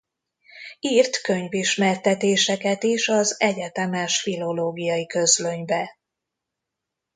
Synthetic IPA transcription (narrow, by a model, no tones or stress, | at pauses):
iːrt̪kø̞ɲviʃmɛrt̪ɛt̪eːʃɛkɛt̪eʃɒzɛɟɛt̪ɛmɛʃfilo̞loːɡijɒjikø̞zløɲvɛ